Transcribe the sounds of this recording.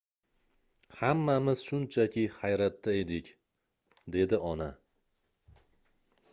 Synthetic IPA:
hamːamɪz̥ʃʊnt͡ʃʰakʲɪhajɾat̪ːae̞d̪ɪkʲ | d̪e̞d̪ɪɒna

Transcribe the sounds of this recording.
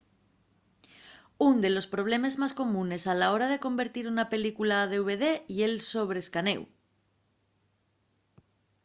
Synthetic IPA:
und̪e̞lo̞spɾo̞β̞le̞mezmasko̞mũne̞salao̞ɾað̞e̞ko̞mbe̞ɾt̪iɾunape̞likulaðe̞uβe̞ðe̞ielso̞β̞ɾeskane̞̰w

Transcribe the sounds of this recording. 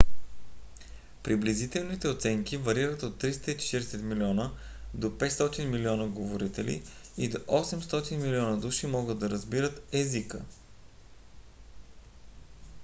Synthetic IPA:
pɾiblizit̪ɛlˠnit̪ɛot̪sɛŋkivɐɾiɾət̪ot̪ːɾist̪əit͡ʃɛ̥t̪iɾɛsɛt̪miliɔnə | d̪opɛt̪st̪ɔt̪inmiliɔnəɡovoɾit̪ɛlḭid̪oʔɔsɛmst̪ɔt̪inmiliɔnəd̪uʃimɔɡəd̪ɐɾəzbiɾət̪ɛzikə

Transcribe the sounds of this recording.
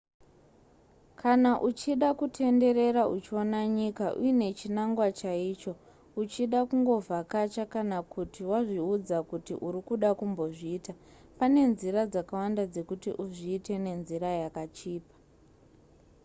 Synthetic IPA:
kʰanaʔut͡ʃiɗakutʰe̞nde̞ɾe̞ɾaʔut͡ʃio̞naɲikaʔṵine̞t͡ʃinaŋɡwat͡ʃaiːt͡ʃo̞ | ut͡ʃiɗakuŋɡo̞vʱakat͡ʃakanakutiwaʐiud͡zakutḭʔuɾikuɗakumbo̞ʐiːta | pane̞nziɾad͡zakawandad͡ze̞kutḭʔuʐiːte̞ne̞nziɾajakat͡ʃiːpḁ

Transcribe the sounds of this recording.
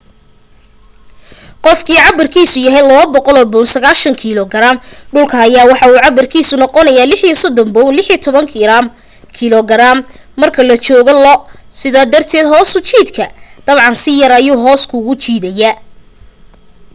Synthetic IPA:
qɔfkʰiːʕɑbɐrkʰiːsʊjɐɦɛjlɔɔbɔqɔlɔːbɔnsɐɣaːʃɐŋkʰilɔɡɐɾaːmɖʊlkʰɐːjaːwɑħɑuːʕɑbɐrkʰiːsʊnɔqɔnɐjaːlɪħjɔsɔd̪ɔmbɔwlɪħjɔt̪ʰɔβɐŋkʰɪɾam | kʰilɔɡɐɾaːmːɐrkʰɐlɐt͡ʃɔːɣɔlɔsɪðaːd̪ɐrt̪ʰɛːd̪ɦɔːsʊt͡ʃiːd̪kʰɐd̪̥ɐβʕɑnsɪjɐɾɐjuːɦɔːskʰʊːɣʊt͡ʃiːðɐjɐ

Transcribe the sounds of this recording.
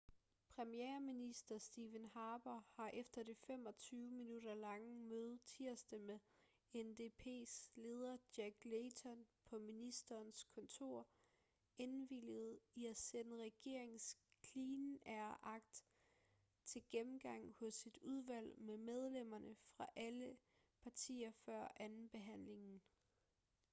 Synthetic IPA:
pʰʁɛmieːɐminisd̥ɐsd̥iːʋenhɑ̈ːb̥ɐhɑ̈ʔefd̥ɐd̥efem̰ɒ̽t͡sʰyːʊminuɾ̥ɐlɑ̈ŋəmøːð̩ˠt͡sʰiɐ̰sd̥əme | end̥e̝pʰe̝̰ːsle̝ːð̞ˠɐd̥jæɡ̥leɪt͡sʰɒ̽npʰɒ̽minisd̥ɐːnskʰɒ̽nt͡sʰo̝ɐ̰ | e̝nʋiljəð̞̩ˠiæsenəʁɛɡ̥e̝ɐ̰e̝ŋskʰliːnæɐɐʔɑ̈ɡ̥̚d̥ | t͡sʰe̝lɡ̥emm̩ɡ̥ɑ̈ŋ̰hɔ̽sːid̥uð̞ˠʋæl̰memeð̞ˠlem̰ɐnəfʁɑ̈ʔælə | pʰɑ̈t͡sʰḭːɐfɶɐ̰ʔænn̩b̥e̝ɦæn̰le̝ŋn̩

